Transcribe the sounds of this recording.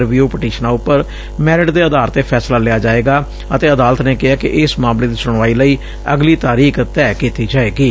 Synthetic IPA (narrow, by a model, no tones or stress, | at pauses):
ɾʋiuːpɪʈiːʃnãːʊpːəɾ | mɛːɾɪʈd̪eːəd̪aːɾət̪eːpʰɛːslaːlɪjaːd͡ʒaːeːɡaː | ət̪eːəd̪aːlət̪neːkɪaːkɪ̰ʔɪsmãːmleːd̪iːsʊɽ̃ʋaːiːləiː | əɡliːt̪aːɾiːkt̪ɛːkiːt̪iːd͡ʒaːeːɡiː